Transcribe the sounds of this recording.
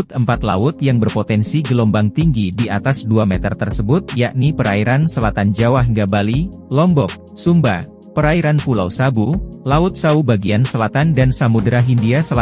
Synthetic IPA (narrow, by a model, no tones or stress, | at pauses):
t̪̚əmpat̪la̰ʊt̪jaŋbərpot̪ɛnsiɡəlɔmbaŋt̪iŋɡidiat̪asduamɛt̪ərt̪ərsəbʊt̪̚jaʔnipəɾaiɾansəlat̪and͡ʒawaɦiŋɡabalilɔmbɔk̚ | sumba̰ | pəɾaiɾanpulawsabulaʊt̪̚saubaɡiansəlat̪andansamudɾaɦindiasəla